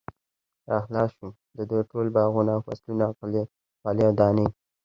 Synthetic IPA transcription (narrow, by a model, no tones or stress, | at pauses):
axlɑʃu | d̪əd̪əʈolbɑɣunawfa̰slunaqli | qɑliawd̪ɑni